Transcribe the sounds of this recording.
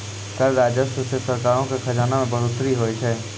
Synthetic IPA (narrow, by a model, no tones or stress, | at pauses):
k̪əɾɾaːd͡ʒəsʊsəsəɾkaːɾõkexʰɐd͡ʒaːnamẽbɐɦʊt̪ɾiɦoːit͡ʃʰɛː